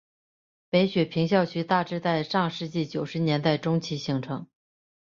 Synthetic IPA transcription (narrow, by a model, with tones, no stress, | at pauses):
pe˧˥ɪɕɥɛ˨˩pʰi˧˥ŋɕ̬jɑ˥˩ʊt͡ɕʰy˧˥t̪a˥˧ʈ͡ʂɻ̩˥t͡sa˥˧ɪʂɑ˥˧ŋʂɻ̩˥˧t͡ɕi˥˩t͡ɕjo˨˩ʊʂɻ̩˧˥njɛ˧˥nt̪a˥˩ɪʈ͡ʂʊ˥ŋt͡ɕʰi˧˥ɕi˧˥ŋʈ͡ʂʰɤ˧˥ŋ